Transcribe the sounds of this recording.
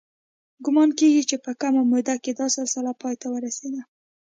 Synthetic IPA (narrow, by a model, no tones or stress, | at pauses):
ɡʊmɑnkeɡit͡ʃepəkamamʊd̪aked̪ɑsasalapɑjt̪awəɾased̪a